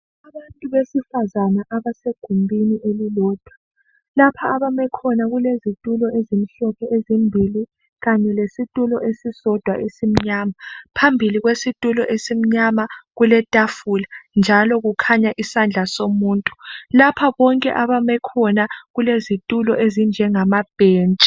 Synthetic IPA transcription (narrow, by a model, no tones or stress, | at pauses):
aβantʼuβesifazanaʔaβaseɡ̥ʱumbʱiniʔelilɔːd̥ʱwa | lapʰaːβamɛkʰɔnaɣulezitʼulɔezim̩ɬɔpʰɛʔezimbʱili | ɣaɲɛlesitʼulɔʔesisɔd̥ʱwa̰ʔesim̩ɲaːmapʰambʱiliɣwesitʼulɔ̰ʔesim̩ɲamaɣulɛtʼafuland͡ʒʱalɔɣukʰaɲaʔisand͡ɮʱasomuːntʼu̥lapʰaβɔŋkʼɛ̰ʔaβamɛkʰɔnaɣulezitʼulɔʔezind͡ʒʱɛŋamab̥ʱeːnt͡ʃʼi